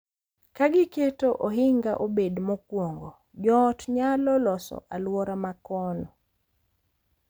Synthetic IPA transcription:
kaɡɪketoʔoɦɪŋɡaʔobedmɔkwoŋɡo | d͡ʒɔtɲalɔlɔsɔ̰ʔalwɔɾamakɔnɔ

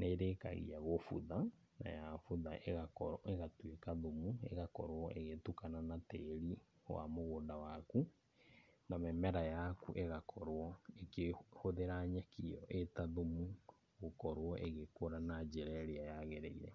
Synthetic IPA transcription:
neɾeka̰ɣḭaɣofṵða | na̰jafuðaʔeɣakɔeɣatwekaðomuḛɣakɔɾwɔʔeɣetukananateɾi | wa̰moɣoːndawaku | namɛmɛɾajakṵʔeɣakʰɔɾwɔekehoðeɾaɲakijɔʔetaðomu | ɣokɔɾwɔʔeɣekoɾanad͡ʒeɾɛɾeajaɣeɾeiɾɛ̰

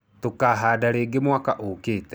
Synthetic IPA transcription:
tokaɦaːdaɾeːɡemwakaʔokeːtɛ

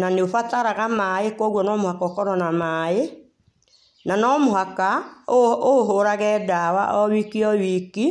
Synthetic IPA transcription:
naneofataɾaɣamaekwɔɣwɔnɔmohakɔːkɔɾɔnamae | nanɔmoɦaka | oɦoɾaɣɛːdawaʔɔwikiɔwiki

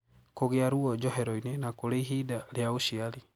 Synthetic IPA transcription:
koɣeaɾuɔd͡ʒɔɦeɾoinenakoleiɦidaljauʃiali

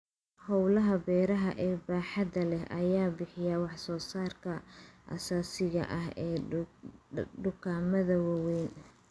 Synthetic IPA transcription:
hɔwlɐɦɐbɛːɾɐɦɐʔɛːbaːħɑdɐlɛɦʔɐjaːbɪħɪjawɑħsɔːsaːrkʰɐʔɐ̰saːsɪɣɐ̰ʔɐɦɛː | ɖʊkʰaːmɐðɐwɐwɛjn

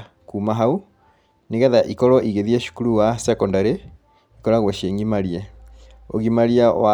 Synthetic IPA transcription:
kuːmaɦau | neɣɛðaʔikɔɾɔʔiɣeðiɛʃu̥kuɾuwasɛkɔndaɾe | ikɔɾaɣwɔʃeŋɡimaɾiɛ | o̰ɣimaɾiawa

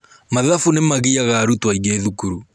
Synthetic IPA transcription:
maðafunemaɣiaɣaɾutwaiɣeðukuɾu

